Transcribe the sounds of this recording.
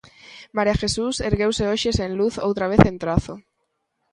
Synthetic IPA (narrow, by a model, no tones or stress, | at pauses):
maɾiaxesuseɾɣewseoʃesẽnluθo̰wt̪ɾaβ̞eθẽnt̪ɾaθo